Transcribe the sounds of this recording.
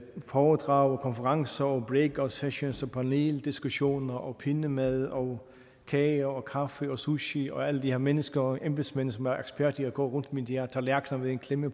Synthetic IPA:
fɒːd̥ʁɑ̈ʊɒkʰɒ̽nfəʁɑ̈ŋsɐɒb̥ʁeɡ̥ɒseɕo̝nsɒpʰɑ̈ne̝̰ːld̥isɡ̥uɕo̝̰ːnɐʔɒ̽pʰe̝nəmæð̞ˠɒ | kʰɛːɐɒkʰɑ̈fəɒ̽suɕiɒ̽æləd̥ihe̝ɐmenəsɡ̥ɐʔemb̥e̥smensɒ̽mæɐʔeɡ̥sb̥æɐd̥iɒɡ̥ɒ̰ːʁɔ̽n̰d̥mind̥iæɐt͡sʰɑlæɐɡ̥nɐʋeðenkʰlemə

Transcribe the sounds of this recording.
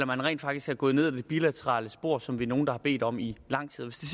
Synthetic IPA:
lɐmænʁɛ̰ːnd̥fɑ̈ɡ̥d̥isɡ̥æɐɡ̥ɔ̽ːð̞̩ˠe̝ð̰ˠid̥e̝b̥ilæt͡sʰəʁɑ̰̈ːləsb̥o̝ɐ̰sɒ̽mʋino̝ːn̩d̥ɑ̈hɑ̈b̥e̝̰ːd̥ɒ̽milɑ̈ŋ̰t͡sʰið̰ˠʋe̝sd̥e̝s

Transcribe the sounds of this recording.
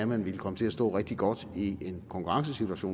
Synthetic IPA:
æmænʋiləkʰɒ̽mət͡sʰe̝æsd̥ɔ̰ːʁeɡ̥̚d̥iɡ̥ɒd̥ie̝nkʰɒ̽ŋkʰuʁɑ̈ŋsəsit͡sʰuæɕo̰ː

